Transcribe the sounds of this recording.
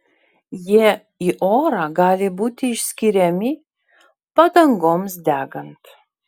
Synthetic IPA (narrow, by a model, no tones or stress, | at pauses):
jiɛ | iʔoːɾɑːɡɑːlʲɪbuːt̪ʲɪɪʃʲsʲkʲɪɾʲɛmʲɪ | pɐd̪ɐŋɡoːmsd̪ʲæːɡɐnt̪